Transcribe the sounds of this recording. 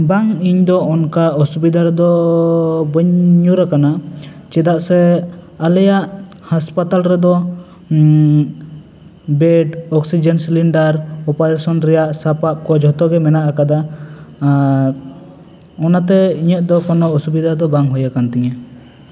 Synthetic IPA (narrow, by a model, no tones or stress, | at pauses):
baŋiɲd̪ɔɔnkaɔsubid̪ʱaɾɛd̪ɔ | bəɲuɾakana | t͡ʃɛd̪aʔsɛ | alɛjaʔ | haspat̪alɾɛd̪ɔ | bɛɖɔksid͡ʒɛnsiliɳɖaɾɔpajasɔnɾɛjaʔsapap̚kɔd͡ʒʱɔt̪ɔɡɛmɛnaʔakad̪a | ɔnat̪ɛiɲɛt̪̚ˀd̪ɔkɔnɔɔsubid̪ʱad̪ɔbaŋɦɔjakant̪ɛɲa